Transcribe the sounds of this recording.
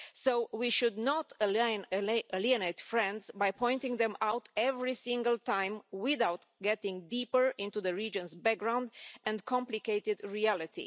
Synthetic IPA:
sowiʃud̪nɔt̪ənəliənejtfɹɛ̃nd̪sbajpʰɔ̃j̃nt̪ĩŋðɛ̃mawt̪ɛvɹisĩŋɡəlt̪ãɪ̃mwɪðawt̪ɡɛtɪ̃ŋd̪ipəɹɪ̃nt̪uðəɹid͡ʒə̃nzbɛk̚ɡɹãw̃nd̪ʔɛ̃nkʰɔ̃mplikeɪt̪ɪd̪ɹiælɪt̪ḭ

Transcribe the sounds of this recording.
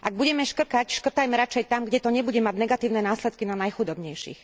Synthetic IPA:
ʔaɡ̚buɟɛmɛʃkr̩kacʃkrt̪ajmɛɾat͡ʃɛjt̪amɡɟɛt̪ɔɲɛbuɟɛmaɟnɛɡat̪iːʊnɛnaːslɛt̪̚kinanajxud̪ɔbɲɛjʃḭx

